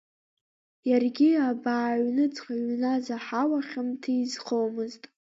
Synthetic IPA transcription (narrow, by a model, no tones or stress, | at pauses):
jarɡʲiabaːɥnɨt͡sʼqʼaɥnazaħawaχʲamtʰɨizqʰowmɨztʼ